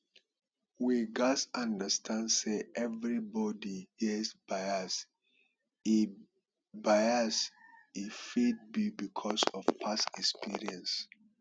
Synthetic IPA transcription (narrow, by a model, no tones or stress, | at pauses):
wiɡasãndəstʰãndseʔɛvɹibɔdihɛsbaɪas | i | baɪasifid̚bibikʰɔsɔvpʰasɛkspʰḭɹiɛ̃ns